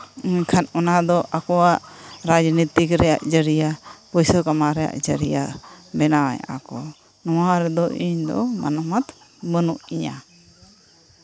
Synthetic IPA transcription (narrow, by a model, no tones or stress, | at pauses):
iɲkʰanɔnad̪ɔʔakɔwaʔɾad͡ʒnit̪ikɾɛja̰ʔd͡ʒəɾijapɔjsɔkamaɾɛja̰ʔd͡ʒəɾijabɛnawa̰ɲa̰kɔ | nɔwaɾɛd̪ɔʔiɲd̪ɔ̰ma̰nɔmat̪ | bənuʔiɲa